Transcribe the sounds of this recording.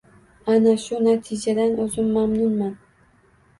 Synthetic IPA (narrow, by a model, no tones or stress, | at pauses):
anaʃʊnat̪ʰɪd͡ʒad̪anɵzɪmːamnʊnman